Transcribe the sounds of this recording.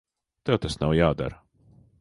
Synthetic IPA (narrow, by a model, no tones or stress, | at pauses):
t̪ɛwt̪asnawjaːd̪a̰ɾ